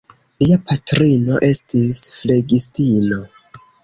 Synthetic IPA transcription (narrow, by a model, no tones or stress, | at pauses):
liapʰatɾino̞ʔe̞stisfle̞ɡistino̞